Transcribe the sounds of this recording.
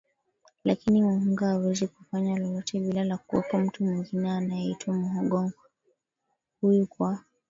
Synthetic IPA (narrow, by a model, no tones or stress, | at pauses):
lakinimuhuŋɡaːwɛzikufaɲalɔlɔtʰɛɓilalakuwɛ̰kɔm̩tumwiŋɡinɛanajɛitwamuɦɔɠɔŋɡɔ | hujukwa